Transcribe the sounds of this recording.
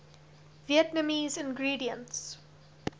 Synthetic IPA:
viətnəmiːzɪ̃nɡɹiːdiə̃nts

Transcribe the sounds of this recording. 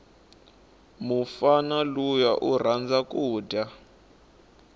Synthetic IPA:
mufanalujaʔur̤and͡zakuːdʱa

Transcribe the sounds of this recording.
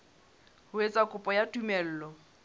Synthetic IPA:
hʊwet͡sʼakʼʊpʼɔjatʼumɛl̩ːlɔ

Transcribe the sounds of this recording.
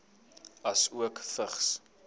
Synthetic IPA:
ɐsuəkfəχs

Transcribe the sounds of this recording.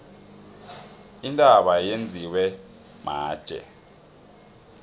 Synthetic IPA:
intʼaɓajend͡zʱiwɛ | ma̰ːd̥ʒ̥ʼʱɛ̰

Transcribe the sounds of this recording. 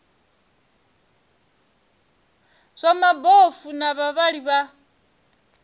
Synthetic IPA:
z̥ʷamabɔfunaβaβaɺiβa

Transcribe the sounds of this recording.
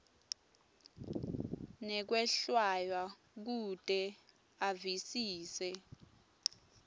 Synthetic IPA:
nɛk̬wɛɬwajwa | k̬utʼɛ | avisiːsɛ

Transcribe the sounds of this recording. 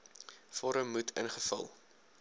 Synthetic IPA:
fɔɾəmːutʰənχəfə̰lˠ

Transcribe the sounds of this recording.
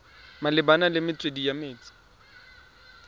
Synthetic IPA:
malɪbanalɪmɪt͡sʼwedijamɪːt͡sʼḁ

